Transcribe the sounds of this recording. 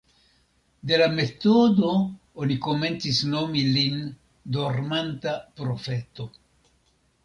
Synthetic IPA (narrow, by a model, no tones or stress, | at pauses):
d̪e̞lame̞t̪o̞do̞ | oniko̞me̞nt͡sisno̞milin | d̪o̞ɾmantapɾo̞fe̞t̪o̞